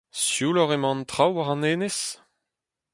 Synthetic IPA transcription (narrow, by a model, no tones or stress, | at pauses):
sjuːlɔʁemɑ̃nt̪ʁawaʁɑ̃neːnes